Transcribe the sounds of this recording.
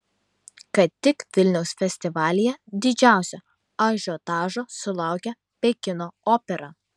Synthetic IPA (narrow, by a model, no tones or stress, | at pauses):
kɐt̪ʲːɪkʋʲɪlʲnʲɛʊsfʲɛsʲt̪ʲɪʋɑːlʲɪjɛd̪ʲɪd͡ʒʲæˑʊsʲɛ | ɑʒʲot̪ɑːʒoːsʊlˠɑˑʊkʲɛ | pʲekʲɪnoːoːpʲɛɾɑ